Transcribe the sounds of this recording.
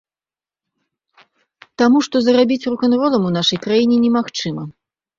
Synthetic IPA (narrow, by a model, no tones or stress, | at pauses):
t̪amuʂt̪ɔzɐɾabʲit͡sʲrukanɾɔlˠɐmunaʂɐjkɾajinʲɛnʲɛmaxt͡ʂɨmɐ